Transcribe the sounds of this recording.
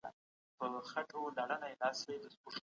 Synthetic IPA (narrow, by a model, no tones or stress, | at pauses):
a̰ | pəxaʈolaɽənaelɑswed̪əspuʂ